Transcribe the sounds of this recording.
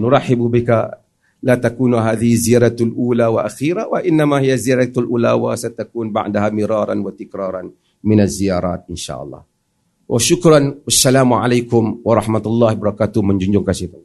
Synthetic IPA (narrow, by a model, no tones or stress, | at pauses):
nʊɾˤɑħɪbubɪka | lat̪akuːnɦaːðɪhɪzijaːɾˤat̪lʔuːlawaʔaxiːɾawaʔɪnːamaɦijaziaɾat̪alʔula̰wa̰sat̪akuːnba̰ʕdaɦamɪɾɑːɾˤa̰nwat̪ɪkɾɑːɾˤɑn | mɪnazijaːɾˤa̰ːt̪̚ʔɪnʃa̰ːʔɑ̰lˤːɑ̰ː | wʔaʃʊkɾɑnwʔasːalaːmʕa̰lajkʊmwɑɾˤɑħmat̪alˤːɑːhbɑɾˤɑkaːt̪ʊməɲd͡ʒuɲd͡ʒʊŋkasit̪a